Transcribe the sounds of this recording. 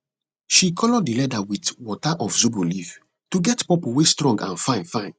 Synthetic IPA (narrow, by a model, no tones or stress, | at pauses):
ʃikʰɔlɔdilɛdawitwɔtaʔɔfzubuliv | tuɡɛtpɔpowestɹɔ̃ŋɡã̰nfãɪ̃nfãɪ̃n